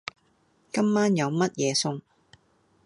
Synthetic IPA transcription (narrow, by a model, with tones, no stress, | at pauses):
kɐ˥mːaː˥njɐ˨˧wmɐ˥t̚jɛː˨˧sʊ˥ŋ